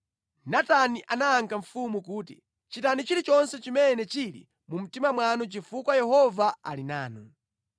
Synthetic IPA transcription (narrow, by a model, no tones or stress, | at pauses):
nataniʔanaːŋkaɱ̩fumukuːtḭ | t͡ʃitanit͡ʃiɾit͡ʃɔnsɛt͡ʃimɛnɛt͡ʃilḭ | mum̩timamwanɔt͡ʃifukwajɛhɔvaa̰lina̰ːnɔ